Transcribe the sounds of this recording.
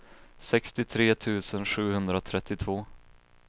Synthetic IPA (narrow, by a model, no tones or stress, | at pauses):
sɛkst̪ɪt̪ʰɾeːt̪ʰʉ̟ːsənɧʉ̟ːhɵnd̪ɾat̪ʰɾɛt̪ːɪt̪ʰvoː